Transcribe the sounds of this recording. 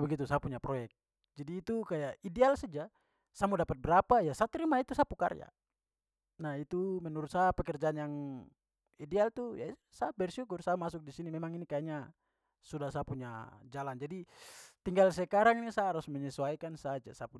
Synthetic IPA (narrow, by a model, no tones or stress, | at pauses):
bɛɡit̪usapuɲapɾɔjɛk̚t̪̚ | d͡ʒadiːt̪ukajaʔidɛalsad͡ʒa | samudapat̪̚bɛɾapajasat̪ɾimait̪usapuka̰ɾja̰ | nahit̪umɛnuɾʊt̪̚sapɛkɛrd͡ʒaːnjaŋ | idɛalt̪uja̰ | sabɛrsukʊrsamasuk̚disinimɛmaŋinikajaɲa | sudahsapuɲa̰d͡ʒaland͡ʒadit̪iŋɡalsɛkaɾaŋnisaɾusmɛɲɛsuaikansad͡ʒa̰sapu